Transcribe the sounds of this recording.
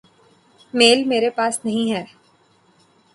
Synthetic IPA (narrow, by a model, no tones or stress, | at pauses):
meːlmeːɾepaːsnɐɦĩɦɛː